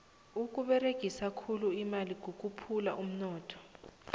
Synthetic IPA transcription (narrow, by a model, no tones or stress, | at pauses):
uk̬ʼuɓɛreɡ̥ʱisakʰuluimaliɡ̥ʱok̬ʼupʰula̰ʔum̩nɔːtʰɔ̥